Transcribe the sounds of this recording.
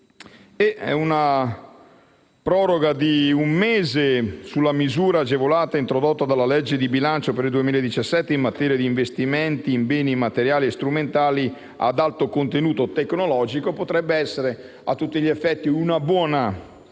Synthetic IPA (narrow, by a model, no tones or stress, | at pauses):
eɛ̰una | pɾɔːɾoɡad̪iumːeːzesulːamizuːɾaːd͡ʒevolaːt̪aint̪ɾod̪ot̪ːad̪alːalɛd͡ʒːed̪ibilant͡ʃopeɾild̪uemiːlaed̪it͡ʃasːɛt̪ːeimːat̪ɛːɾjad̪iːɱvest̪iment̪iːmbɛːnimat̪eɾjaːliest̪ɾument̪aːli | a̰d̪alt̪okont̪enuːt̪ot̪ekːnolɔːd͡ʒikopot̪ɾɛbːeɛsːeɾe | a̰t̪ːut̪ːiʎiefːɛt̪ːiunabwɔːna